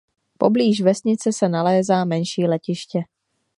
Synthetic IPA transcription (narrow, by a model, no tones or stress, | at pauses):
po̰bliːʒvɛsɲɪt͡sɛsɛnalɛːzaːmɛnʃiːlɛcɪʃcɛ